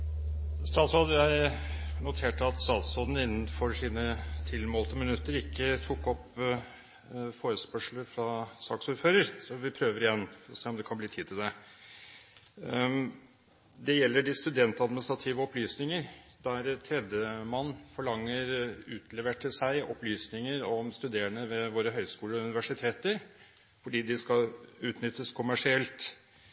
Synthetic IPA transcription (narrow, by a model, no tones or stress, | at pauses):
st̪ɑːt̪sɔd̪jæɪ | nʊt̪ʰeːʈəɑt̪st̪ɑːt̪sɔd̪n̩ɪnːn̩fɔɾʂiːnət̪ʰɪlmoːlt̪əmɪnʉt̪ːəɾɪkːət̪ʰukːɔp | foːɾəspœʂɭəfɾɑsɑːksuːɾføːɾəɾsɔʋɪpʰɾøːʋəɾɪjɛnːfɔɾɔseːɔmd̪ɛkʰɑnbliːt̪ʰiːd̪t̪ʰɪld̪ɛ | d̪ɛjɛlːəɖɪst̪ʉd̪ɛnt̪ɑd̪mɪnɪst̪ɾɑt̪ʰiːʋəɔplyːsnɪŋəɾd̪ææɾt̪ʰɾɛd̪jəmɑnːfɔɭɑŋːəɾʉːt̪ʰlɛʋəʈʰɪlsæɪʔɔ̰plyːsnɪŋəɾɔmst̪ʉd̪eːəɳəʋɛʋoːɾəɦœʏskuːləɾɔʉnɪʋæʂɪt̪ʰeːt̪əɾ | fɔɖiːd̪ɪskɑʉːt̪nʏt̪ːəskʰʊmæʂɪɛlt̪